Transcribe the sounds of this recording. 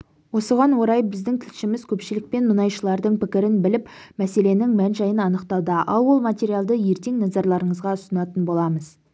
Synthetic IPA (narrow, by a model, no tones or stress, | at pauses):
wo̞səʁɑnwo̞ɾɑjbɪzd̪ɪŋt̪ʰɪlʃɪmɪz̥kʲʰɵpʃɪlɪk̚pe̞nmənɑjʃəlˠɑɾd̪əɴpɪkʲɪɾɪnbɪlɪpmæse̞le̞nɪŋmænʒɑjənɑnəqt̪ɑlˠd̪əʔɑ̰lˠwo̞lˠmat̪ʲe̞ɾijalˠd̪əje̞ɾt̪e̞ŋnɑzɑɾlˠɑɾəɴəzʁɑʊsənɑt̪ənbo̞lˠɑməz̥